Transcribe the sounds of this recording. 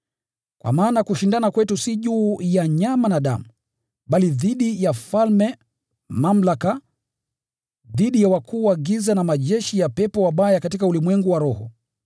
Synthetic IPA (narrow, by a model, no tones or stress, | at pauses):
kwʔa̰maːnakuʃindanakwɛtusiʄuːjaɲamanaɗa̰mu | ɓaliðiɗijafalmɛ | mam̩laka | ðiɗijawakuːwaɡizanamaʄɛʃijapɛpɔwaɓajakatikaulimwɛŋɡuwaɾɔhɔ